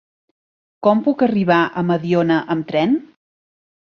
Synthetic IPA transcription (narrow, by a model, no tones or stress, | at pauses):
kɔmpukəriβ̞aʔəməðionəʔəmt̪ɾɛn